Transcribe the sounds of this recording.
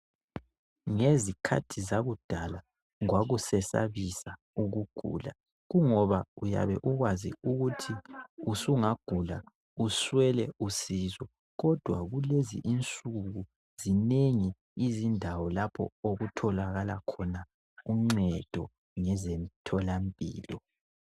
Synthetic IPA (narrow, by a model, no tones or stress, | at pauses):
ŋezikʰa̰tʰizaɣud̥ʱala | waɣusɛsa̰βisa | uɣuɡ̥ʱṵːla̰ | ɣuŋɔβauja̰βɛʔuɣwazḭuɣutʰiusuŋaɡ̥ʱula̰ | uswɛlɛusizɔ | ɣɔd̥ʱwa̰ɣulezḭʔint͡sʼuɣu | z̥ineŋiː | zindʱawɔlapʰɔ̰oɣutʰɔlaɣala̰kʰɔna | uŋ͡ǀɛd̥ʱɔ | ŋɛzem̩tʰɔlampʼḭːlɔ